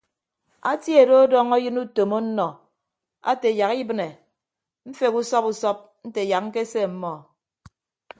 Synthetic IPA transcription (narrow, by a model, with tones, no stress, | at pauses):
a˦tje˨do˦ɔ˦dɔ˦ŋɔ˦jɨ˦nu˦to˨mo˦n̩˦nɔ˨ | a̰˦te˨ja˨ki˦bɨ˦ne˨ | m̩˦fe˨ku˦sɔ˦pu˦sɔ˦p̚ | n̩˦te˨ja˨k̚ŋ̩˦ke˦se˦˨m̩˦mɔ˨